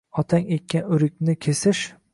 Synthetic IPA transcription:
ɒt̪ʰaŋet̪̚kʲanʊɾɪkʲnɪkʲʰesɪʃ

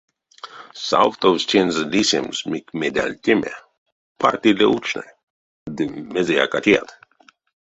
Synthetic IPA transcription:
sa̰wt̪ɔvst͡ʃenzlisemzmikmed̪ʲa̰lʲt̪ʲɪmḛ | pʰa̰ɾt̪ileut͡ʃna̰j | d̪ɨmezeja̰kat̪ʲia̰t̪

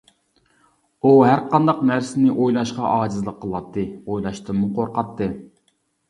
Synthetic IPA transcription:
uɦæɾqɑnd̪ɑqnæɾsɪnɪʔojlˠɑʃqɑʔɑːd͡ʒizlˠəqʰːəlˠɑt̪ʰːɨojlˠɑʃt̪ɨmːuqʰoɾqɑt̪ʰːɨ

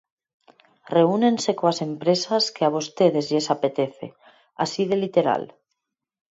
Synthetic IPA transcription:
reunensekoasempɾesaskeaβ̞ost̪eðezʎesapet̪eθḛ | a̰siðelit̪eɾa̰l

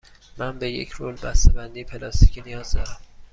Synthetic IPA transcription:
mænbejḛcʰɾolbæst̪ebænd̪ipʰelɒst̪iːcʰinijɒːzd̪ɒ̰ːɾæm

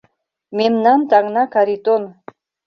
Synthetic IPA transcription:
memnɑnt̪ɑŋnɑkaɾit̪on

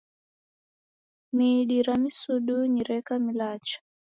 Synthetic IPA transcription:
miɗiɾamisuɗuɲiɾɛkamilat͡ʃḁ

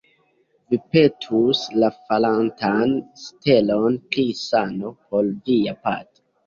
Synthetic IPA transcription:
vipe̞tʰuslafalantanste̞lo̞nklisano̞pʰo̞lviapa̰to̥

